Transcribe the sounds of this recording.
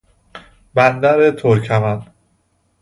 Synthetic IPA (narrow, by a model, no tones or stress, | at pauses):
bænd̪æɾet̪ʰoɾcʰæmæn